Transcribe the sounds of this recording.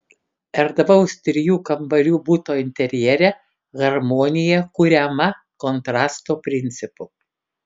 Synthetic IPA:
ɛɾd̪ɐbɐʊst̪ʲɾʲɪjuːkɐmbɐlʲuːbuːt̪oːɪnʲt̪ʲɛɾʲjɛɾʲɛ | ɣɐɾmoːnʲɪjɛkʊɾʲɛmɐ | kɔnt̪ɾɑːst̪oːpʲɾʲɪnʲˑt̪sʲɪpʊ

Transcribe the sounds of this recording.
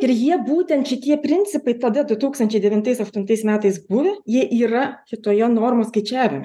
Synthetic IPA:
ɪɾjiɛbuːt̪ʲɛnt̪ʃʲɪt̪ʲiɛpʲɾʲɪnʲt͡ssʲɪpɐɪt̪ɐd̪ɐd̪ʊt̪uːkst̪ɐnʲt͡ʃʲɛɪd̪ʲɛʋʲɪnt̪ɐɪsɐʃt̪ʊnt̪ɐɪsmʲæːt̪ɐɪsbʊʋʲɛjiɛʔiːɾɐʃʲɪt̪oːjonoːrmoːskɐɪt͡ʃʲæːʋʲɪmʲɪ

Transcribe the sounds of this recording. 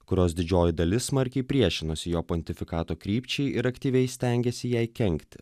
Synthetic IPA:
kʊɾʲoːsd̪ʲɪd͡ʒʲoːjɪd̪ɐlʲɪsmɐɾʲkʲɛɪpʲɾʲiɛʃʲɪnosʲɪjoːpɔnʲt̪ʲɪfʲɪkɑːt̪oːkɾʲiːpʲt͡ʃʲɛɪʔɪɾɐkt̪ʲiːʋʲɛɪsʲt̪ʲɛŋʲɡʲɛsʲɪjɛɪkʲɛŋʲkt̪ʲɪ̥

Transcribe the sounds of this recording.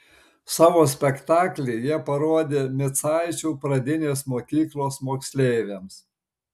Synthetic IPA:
sɑːʋoːsʲpʲɛkt̪ɑːklʲɛɪjiɛpɐɾoɔd̪ʲeːmʲɪt̪sɑɪt͡ʃʲuːpɾɐd̪ʲɪnʲeːsmoːkʲiːklˠoːsmoːksʲlʲeːʋʲeːms

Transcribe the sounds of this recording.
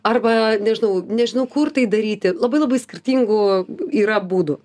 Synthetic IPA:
ɐrbɐnʲɛʒʲɪnɐʊnʲɛʒʲɪnɐʊkʊrt̪ɐɪd̪ɐɾʲiːt̪ʲɪlˠɐbɐɪlˠɐbɐɪsʲkʲɪrʲt̪ʲiːŋɡʊiːɾɐbuːd̪ʊ

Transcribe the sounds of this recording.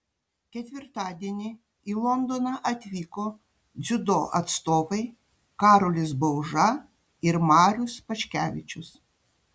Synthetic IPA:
kʲɛt̪ʲʋʲɪɾt̪ɑːd̪ʲiɛnʲɪ | iːlˠɔnd̪oːnɑʔɐt̪ʲʋʲiːkoː | d̪zʲʊd̪oːʔɐt̪st̪oːʋɐɪ | kɑːɾoːlʲɪsbɐʊʒɐ | ɪɾmɑːɾʲʊspɐʃʲkʲæːʋʲɪt͡ʃʲʊs

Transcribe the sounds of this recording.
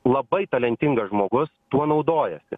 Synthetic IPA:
lˠɐbɐɪt̪ɐlʲɛnʲt̪ʲɪŋɡɐsʒmoːɡʊst̪uɔnɐʊd̪oːjɛsʲɪ̰

